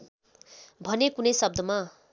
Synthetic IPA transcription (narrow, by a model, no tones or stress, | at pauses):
bʱʌnekunʌjsʌb̚d̪ʌma